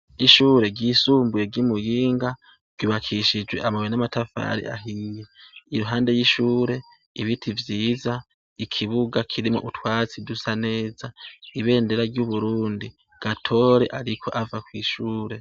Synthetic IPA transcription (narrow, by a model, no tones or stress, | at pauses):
iʃuːɾe̞ɡisuːmbujeɡimujiːŋɡa | ɡ̥ɟ̥uːβakʰiʃid͡ʒwe̞̰ʔamawenamatafa̰ɾḭʔa̰ɦijeiɾuɦaːnde̞jiʃuːɾe̞ | iβitʰivjiːza | ikʰiβuɡakʰiɾimo̰ʔutwaːt͡sidusane̞ːzaiβe̞ːnde̞ɾaɾɟjuβuɾuːndi | ɡ̥atʰo̞ːɾe̞ʔaɾikʰo̞̰ʔavakwiːʃuːɾe̞